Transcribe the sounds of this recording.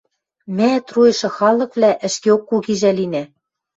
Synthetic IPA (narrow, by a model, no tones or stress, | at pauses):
mæt̪rujɤ̆ʃɤ̆xɑlɤ̆kβlæʔɘ̆ʃkeokːuɣiʒælinæ